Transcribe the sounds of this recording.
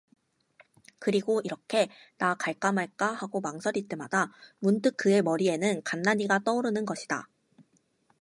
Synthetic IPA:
kɯɾiɡoiɾʌkʰe̞ | nakaɭk͈amaɭk͈ahaɡomaŋsʰʌɾit͈e̞madamuntɯk̚k͈ɯe̞mʌɾie̞nɯnkanːaɲiɡat͈ʌuɾɯnɯnɡʌɕʰida̰

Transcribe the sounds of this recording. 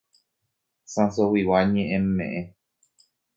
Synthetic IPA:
sãsowiwaɲẽʔẽmːḛ̃ʔẽ

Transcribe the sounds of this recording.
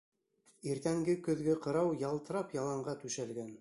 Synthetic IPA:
iɾt̪æŋɡɘkɵ̆ðɡɘqɤ̆ɾɑwjɑlˠt̪ɤ̆ɾɑpjɑlˠɑɴɢɑt̪ʉʃælɡæn

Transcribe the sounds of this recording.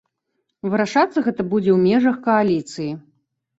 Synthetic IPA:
vɨɾaʂat̪sːɐɣɛt̪ɐbud͡zʲɛwmʲɛʐɐxkɐalʲit̪sɨji

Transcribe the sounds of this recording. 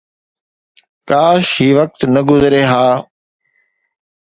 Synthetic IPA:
kaːʃɦiːʋək̚t̪nəɡʊzɾeːɦaː

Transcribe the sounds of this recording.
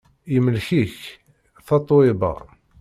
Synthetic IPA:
jəməlçiç | θɑt̪ˤwibɑ̰

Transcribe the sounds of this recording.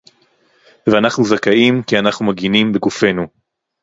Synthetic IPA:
veanaχnuzakaimkianaχnumaɡinimbeɡufe̞nu

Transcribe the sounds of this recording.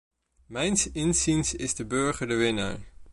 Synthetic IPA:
mɛjnsɪnzinsɪzdəbɵɹχəɹdəʋɪna̰ːɹ

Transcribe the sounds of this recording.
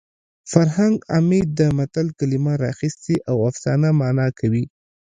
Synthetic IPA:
faɾhaŋɡamed̪̚d̪əmat̪alkalimaɾɑxist̪eʔawafsɑnamɑnɑkʰawi

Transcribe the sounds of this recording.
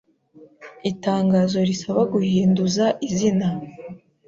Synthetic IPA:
itaːŋɡazo̞ɾisaβaɡuhiːnduzaʔizina

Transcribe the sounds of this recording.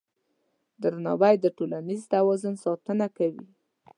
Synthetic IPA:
d̪əɾnɑbajd̪əʈolanizt̪awɑzunsɑt̪ənakawḭ

